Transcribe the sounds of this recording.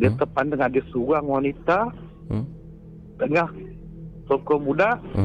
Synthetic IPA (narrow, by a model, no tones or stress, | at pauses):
diət̪əpandaŋadisuɣaŋwanit̪a | t̪əŋah | sɔkɔmudaʔ